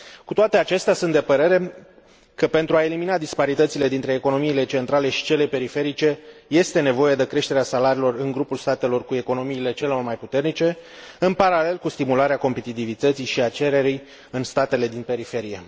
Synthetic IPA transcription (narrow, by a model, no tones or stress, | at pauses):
kut̪oat̪e̞at͡ʃe̞st̪easunt̪d̪e̞pəɾe̞ɾe̞ | kəpe̞nt̪ɾuae̞liminad̪ispaɾit̪ət̪sile̞d̪int̪ɾe̞ːko̞no̞miːle̞t͡ʃent̪ɾale̞ʃi̥t͡ʃe̞le̞pe̞ɾife̞ɾit͡ʃe̞je̞st̪e̞ne̞vo̞je̞d̪e̞kɾe̞ʃt̪e̞ɾeasalaɾiːlo̞rɨŋɡɾupulst̪at̪e̞lo̞rkue̞ko̞no̞miːle̞t͡ʃe̞leormajput̪e̞rnit͡ʃe̞ɨnpaɾale̞lkust̪imulaɾeako̞mpe̞t̪it̪ivit̪ət̪siʃiat͡ʃe̞ɾe̞ɾij | ɨnst̪at̪e̞le̞d̪inpe̞ɾife̞ɾije̞̰